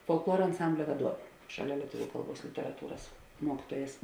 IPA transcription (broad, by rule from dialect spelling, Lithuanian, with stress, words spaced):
foːlˠkˈlˠuɔrɐ ɐnˈsɐmʲbʲlʲɛ ʋɐˈduɔʋʲeː ˈʃɑːˌlʲɛ lʲiɛˈtʊʋʲʊ ˈkɐlˠˌbuɔs lʲɪtʲɛrɐˈtuːrɐs ˈmuɔkʲiːtuɔjɛs